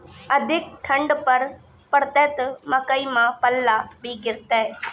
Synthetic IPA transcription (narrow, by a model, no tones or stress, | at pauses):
ɐd̪ʱɪk̚ʈʰɐ̃ɳɖpɐɾ | pɐɽt̪eːt̪mɐkəimãːpɐlːaːbiːɡɪɾt̪ɛː